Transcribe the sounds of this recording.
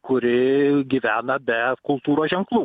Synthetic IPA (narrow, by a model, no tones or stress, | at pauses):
kʊɾʲɪɡʲiːʋʲæːnɐbʲɛkʊlˠt̪uːɾoːsʒʲɛŋklˠuː